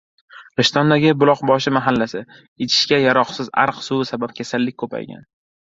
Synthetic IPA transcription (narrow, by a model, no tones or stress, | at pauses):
ɾɪʃt̪ɒnd̪aɡʲɪbʊlˠɒqbɒʃɪmaɦalːasɪ | et͡ʃʰɪ̥ʃkʲajaɾɒqsɪza̰ɾqsʊsabap̚kʲʰasalːɪkʲkʰɵpʰa̰jɡʲa̰n